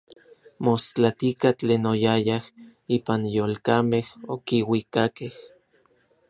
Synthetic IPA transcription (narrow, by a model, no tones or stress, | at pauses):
most͡ɬat̪ikat͡ɬeːnojajahiːpanjoːlkamehokiwikakeh